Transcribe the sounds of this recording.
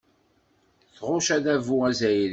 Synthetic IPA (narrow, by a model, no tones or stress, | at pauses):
θʁʊʃæðævuæzæjɾ